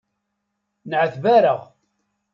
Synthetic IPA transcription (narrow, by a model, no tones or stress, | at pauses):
nʕəθvæɾəʁ